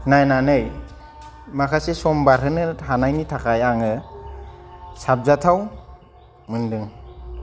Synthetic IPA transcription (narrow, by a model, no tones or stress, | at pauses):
najnanɯj | makʰasesɔmbaɾɦɯnɯhanajnitʰakʰajaŋɯ | sab̚zatʰaw | mɯndɯŋ